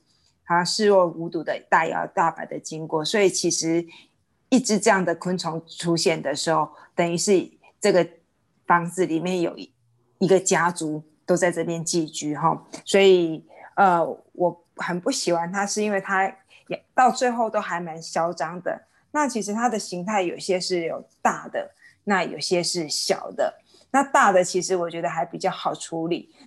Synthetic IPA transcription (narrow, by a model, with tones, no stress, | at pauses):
ɑ˨˩ɕɑ˥˧ŋʂɻ̩˥˧wɔ˥˩u˧˥t̪u˨˩d̪ə˦t̪a˥˩jɑ̰˨˥ʊt̪a˥˩pa̰˨˩ɪd̪ə˩t͡ɕi˥ŋkwɔ˥˩swɔ˧˥i˨˩t͡ɕʰi˧˥ʂɻ̩˧˥ | i˥˩ʈ͡ʂɻ̩˧˥ʈ͡ʂɤ˥˧jɑ˥˩ŋd̪ə˩kʰə˥nt͡sʰʊ˧˥ŋʈ͡ʂʰu˥ɕjɛ˥˩nd̪ə˩ʂɻ̩˧˥xo˥˩ʊt̪ə˨˩ŋy˧˥ʂɻ̩˥˩ | ʈ͡ʂɤ˥˩ɡə˩ | fɑ˥ŋd͡zɹ̩˨li˨˩mjɛ˥˨njo̰˨˩ʊ | i˧˥ɡə˨t͡ɕja˥t͡su˧˥ | t̪o˥ʊt͡sa˥˧ɪʈ͡ʂɤ˥˧pjɛ˥˧nt͡ɕi˥˧˩t͡ɕy˥ɦɔ˥˩swɔ˧˥i˨˩ə˧ | wʔɔ˨˩ | xə˨˩npu˥˩ɕi˨˩xwa˧˦nt̪ʰa˥ʂɻ̩˥˩i˥nwe˥˩ɪt̪ʰa˥ | jt̪ɑ˥˧ʊt͡swe˥˧ɪxo˥˩ʊt̪o˥ʊxa˧˥ɪma˧˦nɕjɑ˥ʊʈ͡ʂɑ˥ŋd̪ə̰˨ | na˥˩t͡ɕʰi˧˥ʂ̬ɻ̩˧˥t̪ʰa˥d̪ə˨ɕi˧˥ŋt̪ʰa˥˩ɪjo˨˩ʊ˩ɕjɛ˥ʂɻ̩˥˩jo˨˩ʊt̪a˥˩d̪ə̰˩ | na˥˩jo̰˨˩ʊɕjɛ˦ʂɻ̩˥˩ɕjɑ̰˨˩ʊd̪ə̰˦ | na˥˧t̪a˥˩d̪ə˨t͡ɕʰi˧˥ʂɻ̩˧˥wɔ˨t͡ɕɥɛ˧˥d̪ə˧xa˧˥ɪpi˨˩t͡ɕjɑ˥˩ʊxɑ˨˩ʊʈ͡ʂʰu˧˥lḭ˨˩˦